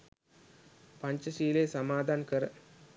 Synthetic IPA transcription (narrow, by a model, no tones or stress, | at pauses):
pɐɲt͡ʃɐsiːleːsɐmaːd̪aːnkɐɾɐ